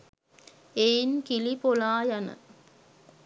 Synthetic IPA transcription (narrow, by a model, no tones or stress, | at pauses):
einkilipolaːjɐnə̰